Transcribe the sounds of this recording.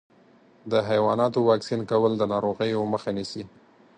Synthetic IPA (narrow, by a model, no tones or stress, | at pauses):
d̪əɦajwɑnɑt̪owɑksinkawəld̪ənɑɾoɣəjoməxanisi